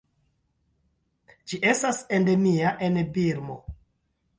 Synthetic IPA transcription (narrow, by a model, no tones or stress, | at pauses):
d͡ʒiʔe̞stasendeniaʔenbiɾmo̰